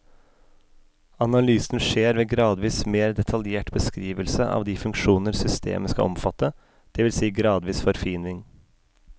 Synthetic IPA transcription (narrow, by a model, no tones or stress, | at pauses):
ɑnɑlyːsn̩ʂeːɾʋeːɡɾɑːd̪ʋiːsmeːɾd̪ɛt̪ʰɑljeːʈbəskɾiːʋəlsəʔɑ̰ːʋd̪iːfʉŋkʂuːnəɾsʏst̪ʰḛːməskɑ̰ɔmfɑt̪ːə | d̪̥ɛʋɪlsiːɡɾɑːd̪ʋiːsfɔɾfiːnʋɪŋ